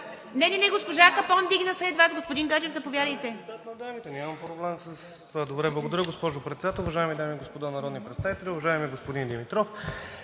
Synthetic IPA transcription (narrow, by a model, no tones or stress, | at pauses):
nɛnʲɛnɛɡospoʒakɐpɔnd̪iɡnɐsɛd̪vat̪ɡospod̪iŋɡad͡ʒɛvzɐpovʲjad̪əjt̪ɛzat̪nod̪amit̪ɛnʲiamɐmpɾoblɛmsəs | t̪ovad̪obɾɛblˠɐɡod̪ɐɾʲjəɡospɔʒʊpɾɛt̪sɛd̪at̪ɛlˠʊvɐʒajmid̪amiːɡospod̪anɐɾɔd̪nipɾɛt̪st̪avit̪ɛlʲɛʊvɐʒaɛmiɡospod̪ind̪ɛmit̪ɾɔf